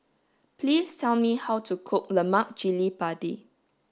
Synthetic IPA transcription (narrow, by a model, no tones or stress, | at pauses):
plistʰɛlmihawtukʰʊk̚ləmak̚d͡ʒilipadḭ